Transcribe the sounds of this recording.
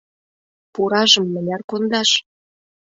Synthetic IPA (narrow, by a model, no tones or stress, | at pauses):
puɾɑʒɤ̆mːə̆nʲɑrkond̪ɑʃ